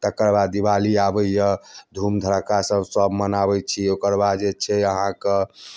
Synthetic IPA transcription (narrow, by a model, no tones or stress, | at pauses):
t̪əkəɾbad̪ibaliabəjəd̪ʱumd̪ʱəɾkasəbsəbmənabɛt͡ʃʰiokəɾbad͡ʒet͡ʃʰɛəɦãke